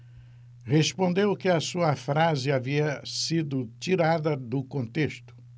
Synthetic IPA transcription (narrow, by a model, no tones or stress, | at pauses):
hespõnd̪ewkɪɐsuɐfɾazɪaviɐsid̪ʊt͡ʃiɾad̪ɐd̪ʊkõnt̪est̪ʊ̥